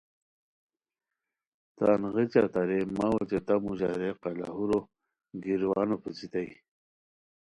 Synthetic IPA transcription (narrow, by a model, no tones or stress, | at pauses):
t̪a̰nʁit͡ɕat̪aɾemawot͡ɕet̪amuʑaɾeqala̰ɦuɾo | ɡiɾwɑːnopəsit̪aj